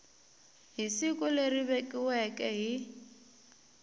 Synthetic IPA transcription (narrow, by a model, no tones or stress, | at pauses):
ɦisikʼʊleriβekʼiwɛkʼɛɦi